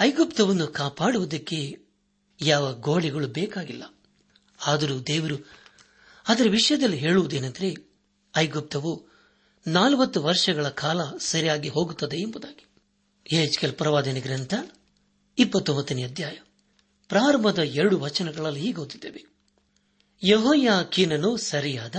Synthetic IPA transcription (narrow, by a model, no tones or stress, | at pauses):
ɐjɡupt̪ɐʋɐnːukaːpaːɽuʋud̪ɐkːe̞ | jaːʋɐɡoːɭiɡɐɭubɛːkaːɡilːɐ | aːd̪ɐɾuːd̪eːʋɐɾu | aːd̪ɐɾeʋiʂɐjɐd̪ɐlːiɦe̞ːɭuʋud̪ue̞ːnɐnd̪ɐɾe̞ | ɐjɡup̚t̪ɐʋu | naːlʋɐt̪ːuʋɐɾʂɐɡɐɭɐkʰaːlɐsɐɾijaːɡiɦo̞ːɡut̪ːɐd̪eːmbud̪aːɡi̥ | eːd͡ʒkelpɾɐʋaːd̪ɐniɡɾɐnt̪ʰɐ | ipːɐt̪ːombɐt̪ːɐniɐd̪ʱjaːjɐ | pɾaːɾɐmbɐd̪ɐeɾɐɽuʋɐt͡ʃɐnɐɡɐɭɐlːiɦiːɡɐːd̪id̪ːeːʋe | jeɦoːjaːkinɐnusɐɾijaːd̪ɐ